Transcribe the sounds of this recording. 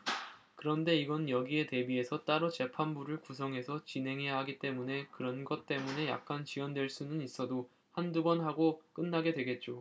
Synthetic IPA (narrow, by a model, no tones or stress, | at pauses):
kɯɾʌnde̞iɡʌnjʌɡie̞te̞bie̞sʰʌt͈aɾot͡ɕe̞pʰanbuɾɯɭkus̬ʰʌŋɦe̞sʰʌt͡ɕinɦe̞ŋɦe̞jaɦaɡit͈e̞mune̞kɯɾʌnɡʌt̚t͈e̞mune̞ja̰k̚k͈ant͡ɕiwʌndwe̞ɭs͈unɯnis͈ʌdo | handuɡʌnɦaɡok͈ɯnːaɡe̞dwe̞ɡe̞t̚t͡ɕ͈o